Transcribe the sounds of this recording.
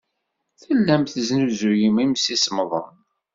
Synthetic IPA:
θəlːæmθəznuzujimimsisməðˤən

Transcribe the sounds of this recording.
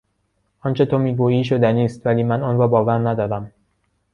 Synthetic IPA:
ʔɒnt͡ʃʰe̞t̪ʰomiːɡuːiːʃod̪æniːst̪væliːmænɒnrɒːbɒːvæɾnæd̪ɒːɾæm

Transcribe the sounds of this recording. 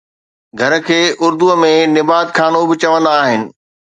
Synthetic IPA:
ɡʱɐɾəkʰeːʔʊɾd̪uəmẽnɪbaːd̪kʰaːnobɪt͡ɕɐʋə̃nd̪aːɦɪnɪ̆

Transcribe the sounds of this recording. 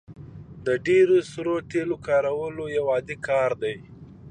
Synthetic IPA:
d̪əɖeɾosɾot̪elokɑɾawəlojawɑd̪ikʰɑɾd̪aj

